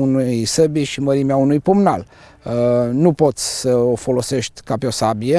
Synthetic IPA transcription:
unujsəbiʃiməɾimeaunujpumna̰l | nupo̞t̪sʲsəofo̞lo̞se̞ʃt̪ʲkapeo̞sabie

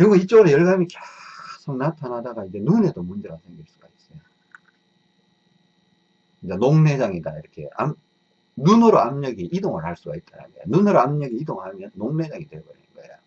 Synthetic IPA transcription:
jʌɡʌit͡ɕ͈ʌɾejʌɭɡamikesʰoŋnatʰanɦadaɡaid͡ʑe̞nune̞domund͡ʑe̞ɡasʰe̞ŋɡiɭs͈uɡ̥ais͈ʌjo | kɯd͡ʑ͈anoŋne̞d͡ʑaŋidaiɾʌkʰe̞̰a̰m | nunʌɾoamɲʌɡiʔidoŋɯɭhaɭs͈uɡait̚t͈ana̰nejonunɯɾoamɲʌɡiidoŋɯɭhamjʌnːoŋne̞d͡ʑaŋidwebʌɯnɡʌo

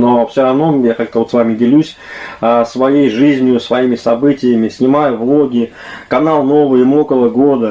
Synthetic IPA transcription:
nofsʲɪɾɐvno̞jakak̚t̪əvo̞t̪svamʲɪdʲɪlʲusʲ | əsvɐjejʐɨzʲnʲɪjʊsvɐimʲɪsɐbɨtʲɪjəmʲɪsʲnʲɪmajʊvlˠo̞ɡʲɪ | kɐnalˠno̞vɨjɪmokəlˠəɡo̞d̪ə

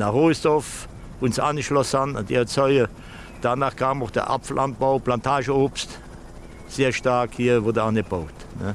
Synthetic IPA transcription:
naʁoːsdɔf | ʊnsanəʃlɔsanandiːət͡sœʏə | d̥aːnaːχkʰaːmoχd̥ə̰ʔa̰pfəlʔan̚b̥aʊpʰlantʰaːʒəoːpst | z̥eːɐʃtaːkhiːɐvodəanib̥oʊt | nə̰

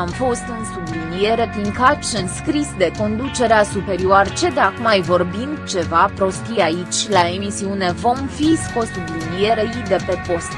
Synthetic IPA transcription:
amfo̞st̪ɨnsublinije̞ɾe̞piŋkat̪ʃɨnskɾisd̪e̞ko̞nd̪ut͡ʃe̞ɾeasupe̞ɾioart͡ʃe̞d̪akmajvo̞rbind̪t͡ʃe̞vapɾo̞st̪iait͡ʃʲlae̞misiune̞vo̞mfisko̞st̪ublinije̞ɾejid̪e̞pe̞po̞st̪

